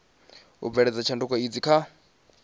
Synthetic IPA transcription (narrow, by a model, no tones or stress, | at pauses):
ṵb̪vɛɺɛd͡zat͡ʃʰandukaid͡zikʰa